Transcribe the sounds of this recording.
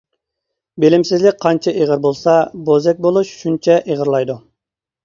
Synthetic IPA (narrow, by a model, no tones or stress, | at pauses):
belɪmsɪzlɪk̚ʲqʰɑnt͡ʃʰɛʔeʁəɾbolˠsɑbozɛk̚ʲbolˠuʃʃunt͡ʃʰɛʔeʁəɾlˠɑjd̪u